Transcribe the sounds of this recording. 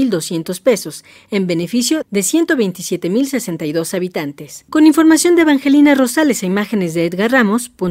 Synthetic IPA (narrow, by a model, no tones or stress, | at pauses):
ild̪o̞sje̞nt̪o̞spe̞so̞s | e̞mbe̞ne̞fisjo̞ðe̞sje̞nt̪o̞βe̞jnt̪isje̞t̪e̞milse̞se̞nt̪ajðo̞saβit̪ant̪e̞sko̞niɱfo̞ɾmasjo̞nd̪eβaŋxe̞linaro̞salesaimaxe̞ne̞zðeet̪ɣaramo̞spun